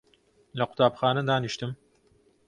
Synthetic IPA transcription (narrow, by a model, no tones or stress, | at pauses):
lɐqʰʊ̥t̪ʰaːpxaːnɐd̪aːniʃt̪ɨm